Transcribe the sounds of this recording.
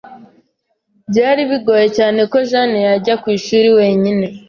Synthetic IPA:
bɟaːɾiβiɡo̞je̞caːne̞ko̞ʒanejaɟakwiːʃuːɾiwe̞ːɲine̞

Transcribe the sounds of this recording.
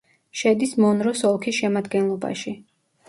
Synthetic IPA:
ʃɛd̪ismɔnɾɔsɔlˠkʰisʃɛmad̪ɡɛnlˠɔba̰ʃi

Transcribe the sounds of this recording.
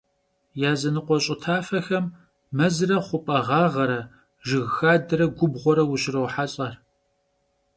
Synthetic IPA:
jaːzɐnɨqʷɔɕʼɪtʰaːfɐxɐmː | ɐzɨrɐχʷʊpʼɐʁɑːʁɐɾɐ | ʒɨɣxaːdɐɾɐɡʷʊbʁʷɔɾɐwʊɕɪrɐwħaɕʼɐr

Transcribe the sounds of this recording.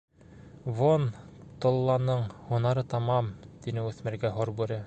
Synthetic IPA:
vont̪ŏlˠːɑnɤɴhunɑɾɤt̪ɑmɑmt̪inɘʉθmɘ̆ɾɡæɦoɾbʉɾɘ

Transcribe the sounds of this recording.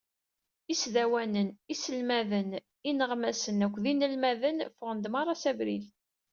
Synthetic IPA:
isðæwænənisəlmæðən | inəʁmæsənækʷːðinəlmæðənfʊʁənd̪mɑɾˤɑsævɾḭl

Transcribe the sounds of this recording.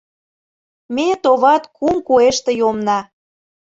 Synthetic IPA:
met̪oβɑt̪kumkueʃt̪ĕjomnɑ

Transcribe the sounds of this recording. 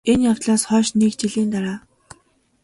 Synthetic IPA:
enjaw̥t̪ɮaːsχɔːʃnikt͡ɕiɮiːnt̪aɾaː

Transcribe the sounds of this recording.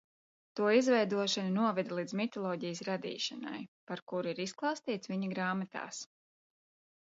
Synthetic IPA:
t̪uɔizvɛjd̪uɔʃanunuɔvɛd̪lˠiːd̪zmit̪ɔlˠɔːɟijəsɾad̪ḭːʃana̰jpaɾkuɾiɾisklˠɑːst̪iːt̪sviɲiɡɾaːmat̪a̰ːs

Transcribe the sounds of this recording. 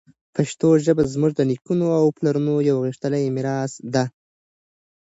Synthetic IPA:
paʃt̪oʒəbazmʊʐd̪ənikunoawplaɾunojawɣiʂt̪əlajmɪɾɑsd̪a

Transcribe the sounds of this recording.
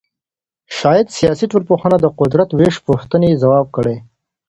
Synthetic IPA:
ʃɑːjad̪sijɑsiʈolpuxənad̪əqʊd̪ɾat̪weʃpuxt̪ənezawɑːb̚kəɽe

